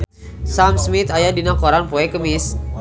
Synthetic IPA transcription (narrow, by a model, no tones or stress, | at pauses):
samsmɪt̪ajadinakoɾanpoɛkəmɪs